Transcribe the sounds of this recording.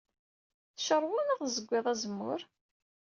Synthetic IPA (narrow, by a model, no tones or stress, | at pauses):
θʃəɾˤwanəʁzəɡʷːɪðˤæzəmːʊ̰ɾ